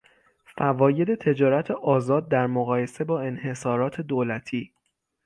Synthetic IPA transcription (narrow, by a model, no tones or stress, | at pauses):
fævɒːje̞d̪e̞t̪ʰe̞d͡ʒɒːɾæt̪ʰeʔɒːzɒːd̪̚ːæɾmoɣɒːje̞se̞bɒːe̞nhe̞sɒːɾɒːt̪ʰe̞d̪oːlæt̪ʰiː